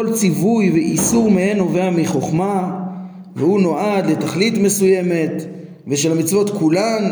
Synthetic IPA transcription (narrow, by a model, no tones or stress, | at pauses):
olt͡sivujveʔisuʁmehenoveamiχo̞χma | vehuno̞ʔad̪let̪aχlit̪me̞suje̞me̞t̪ | veʃelamit͡svo̞t̪kulam